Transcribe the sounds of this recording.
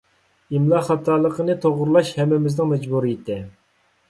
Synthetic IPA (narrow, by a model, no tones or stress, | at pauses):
imlˠɑχɑt̪ʰːɑːlˠəqənɨt̪ʰoʁɾlˠɑʃhɛmːɪmɪznɪŋmɛd͡ʒbuɾijit̪ʰɪ